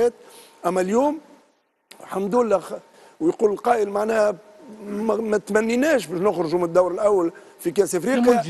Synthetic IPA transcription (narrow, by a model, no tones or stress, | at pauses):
ɛːt̪̚ | ʔæmːæljuːm | ħamd̪uːlːæx | wjquːləlqɑːʔəlmaʕnɛːh | mæt̪mænːinɛːʃbɛʃnʊxɾʊʒumnəd̪ːawɾɪlʔawːæl | fikæːsɪfɾiːqi